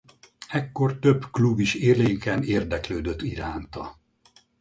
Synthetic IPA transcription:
ɛkːo̞rt̪ø̞bklubiʃeːrleːŋkɛneːrd̪ɛkløːd̪øt̪ːiɾaːnt̪ɒ

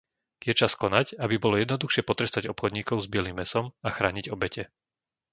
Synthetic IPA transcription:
jɛt͡ʃaskɔnacabibɔlɔjɛd̪nɔd̪uxʃɪɛpɔt̪ɾɛst̪aɟɔpxɔd̪ɲiːkɔʊzbiɪɛlimːɛsɔmaxɾaːɲiɟɔbɛcɛ

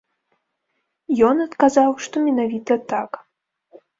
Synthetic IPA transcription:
jɔnɐt̪kazawʂt̪ɔmʲɛnavʲit̪ɐt̪ak

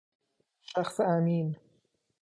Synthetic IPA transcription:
ʃaxsamiːn

